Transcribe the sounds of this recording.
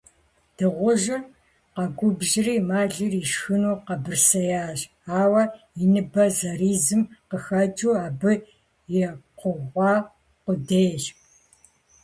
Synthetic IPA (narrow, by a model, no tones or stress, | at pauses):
d̥ɨʁʷʊʒɪr | qɐɡʷʊbʒɪriːmaːɮɪriʃxɨnuːqɐbɨrsɐjaːʑ | aːwɐ | inɨbɐzɐriːzɨmqəxɐd͡ʒʼuːaːbɨ | jɛqʷəʁʷɑː | qʷʊdeːɕ